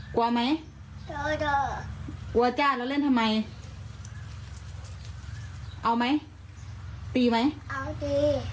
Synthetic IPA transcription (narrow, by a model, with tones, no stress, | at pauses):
kwma˦˥j | do˧˩do˧˩ku˧˩˧t͡ɕaː˧˩lɔ˧˦le˥˨nt̪ʰa˧mːa˧j | ʔa˧wma˦˥j | p̪iː˧˩ma˦˥jʔa˧˩d̪i˧˩